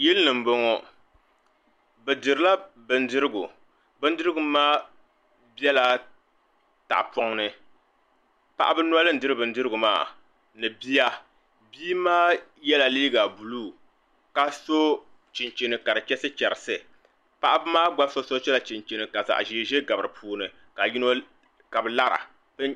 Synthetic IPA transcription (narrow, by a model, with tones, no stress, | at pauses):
jɪ˦lɨ˦nɨ˨m˦bo˦ŋɔ˦ | bɨ˨dɨ˨ɾɨ˨la˦bɨ˨n̩˦dɨ˦ɾɨ˦ɡṵ˨ | bɨ˦n̩˦dɨ˦ɾɨ˦ɡʊ˨maː˦ | bi˦ɛ˦la˨ | ta̰˨ʔpɔ˦ŋnɨ˦ | pa̰˦ʔa˦bɨ˦n˦a˦lɨ˦n̩˨dɨ˦ɾɨ˦bɨ˨n̩˦dɨ˦ɾɨ˦ɡʊ˨ma̰ː˦˨ | nɨ˨bi˦ja˦ | biː˦maː˦jɛ˦la˨liː˦ɡa˨bu˨luː˦˨ | ka˦so˦ | t͡ʃi˨nt͡ʃe˨nɨ˨ka˨ɾɨ˨t͡ʃɛ˦sɨ˦t͡ʃɛ˨ɾɨ˨sɨ˨ | pa˦ʔa˦bɨ˦maː˦ɡ͡ba˦so˦so˦t͡ʃɛ˦la˨t͡ʃi˨nt͡ʃe˨nɨ˨ka˨za̰˨ʔʒi˨˦˨ʒe˦ɡa˨bɨ˨ɾɨ˨pʰuː˨nɨ˨ | ka˨ji˦no˦ | ka˨bɨ˨la˦ɾa̰˨ | ɨ˦